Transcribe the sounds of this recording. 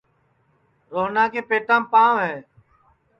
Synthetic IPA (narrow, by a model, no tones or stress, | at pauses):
ɾoːɦnãːkẽːpeːʈãːpãːɦɛː